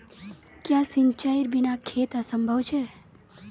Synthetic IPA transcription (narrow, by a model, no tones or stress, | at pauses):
kjasiɲt͡ʃaiɾbinakʰet̪əsəmbʱəʋt͡ʃʰe